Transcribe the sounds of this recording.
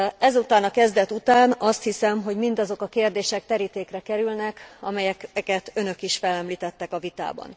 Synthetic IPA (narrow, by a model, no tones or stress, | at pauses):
ɛzut̪aːnɒkɛzd̪ɛt̪ut̪aːnɒst̪hisɛmɦo̞ɟmind̪ɒzo̞kɒkeːrd̪eːʃɛk̚t̪ɛɾit̪eːkrɛkɛɾylnɛkɒ̰mɛjɛkkɛt̪ø̞nø̞kiʃfɛlɛmliːt̪ɛt̪ːɛkɒvit̪a̰ːbɒ̰n